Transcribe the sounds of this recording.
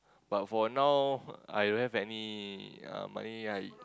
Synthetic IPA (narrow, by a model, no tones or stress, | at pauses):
b̥atfɔnawa̰jdõnhɛvɛni | ʌ̰̃ma̰niaj